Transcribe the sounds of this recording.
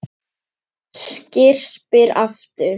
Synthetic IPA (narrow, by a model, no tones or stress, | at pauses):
scɪr̥pɪɾa̰ft̪ʏɾ